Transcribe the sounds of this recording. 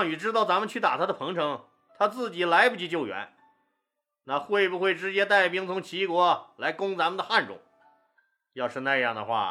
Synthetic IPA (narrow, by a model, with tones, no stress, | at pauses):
ŋy˨˩ʈ͡ʂɻ̩˥t̪ɑ˥˩ʊt͡sa˧˥mə˨t͡ɕʰy˥˩t̪a̰˨˩t̪ʰa˥d̪ə˨pʰɤ˧˥ŋʈ͡ʂʰɤ˧˥ŋ | t̪ʰa˥t͡sɹ̩˥˩t͡ɕi˨˩la˧˥ɪpu˧˩t͡ɕʰi˧˥t͡ɕjo˥˩ʊɥɛ̰˧˥n | na˥˧xwe˥˩ɪbu˧xwe˥˩ɪʈ͡ʂɻ̩˧˥t͡ɕjɛ˥t̪̬a˥˩ɪpi˥ŋt͡sʰʊ˧˥ŋt͡ɕʰi˧˥kwɔ˧˥la˧˥ɪkʊ˥ŋt͡sa˧˥mə˨nd̪ə˧xa˥˧nʈ͡ʂʊ̰˨˩˦ŋ | jɑ˥˧ʊʂɻ̩˥˧na˥˧jɑ˥˩ŋd̪ə̰˩xwa̰˥˩